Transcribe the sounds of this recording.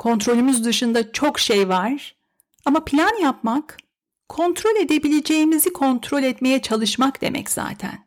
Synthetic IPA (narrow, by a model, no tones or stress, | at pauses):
kʰo̞nt̪ɾo̞lʲymuzd̪ɯʃɯnd̪at͡ʃʰo̞kʃejvaɾ̥ | amapʰilʲanjapmakʰː | o̞nt̪ɾo̞lʲe̞d̪e̞bilʲe̞d͡ʒe̞jimizikʰo̞nt̪ʰɾo̞lʲɛt̪me̞jɛt͡ʃʰalˠɯʃmakd̪e̞̰mʔɛ̰cz̥a̰ːt̪ʰæ̰n